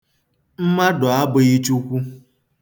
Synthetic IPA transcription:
m̩˦ma˦dɔ˨a˦bʊ˨˦ɣi˦t͡ʃu˦kʷu˦

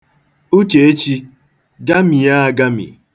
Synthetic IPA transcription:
u˦t͡ʃe˨e˦t͡ʃi˦ | ɡa˦mi˨ja˦a˨ɡa˦mḭ˨

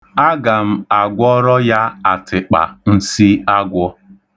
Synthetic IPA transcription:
a˦ɡa˨m̩˦a˨ɡʷɔ˦ɾɔ˦ja˦a˨tʰɪ˨k͡pa̰˨n̩˦si˦a˦ɡʷɔ˦

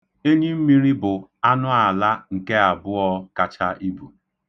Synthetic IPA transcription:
e˦ɲi˦m̩˦mi˦ɾi˦bʊ˨a˦nʊ˦a˨la˦ŋ̩˨ke˦a˨bʊ˦ɔ˦ka˨t͡ʃa˦ʔi˦bu˨

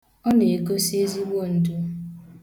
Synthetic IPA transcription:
ɔ˦ne˨e˨ko˦se˦zi˦wo˦˨n̩˨du˦

